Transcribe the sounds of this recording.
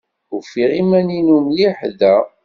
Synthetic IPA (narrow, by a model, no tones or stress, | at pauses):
ʊfiʁimæninumjiħðæ